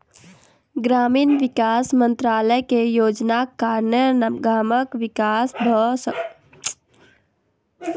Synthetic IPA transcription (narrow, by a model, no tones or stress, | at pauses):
ɡɾaːmiːnʋɪkaːsmə̃nt̪ɾaːləjkejoːd͡ʒnakaːɾnəɡaːməkʋɪkaːsbʱəsə